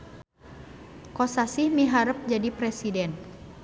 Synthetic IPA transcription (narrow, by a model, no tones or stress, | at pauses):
kosasihmiɦaɾəp̚d͡ʒadipɾɛsidɛn